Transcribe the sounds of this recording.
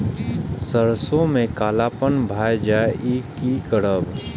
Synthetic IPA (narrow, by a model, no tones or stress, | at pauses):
səɾsõmẽkaːlaːpənbʱaːjd͡ʒaːeʔiːkikəɽəb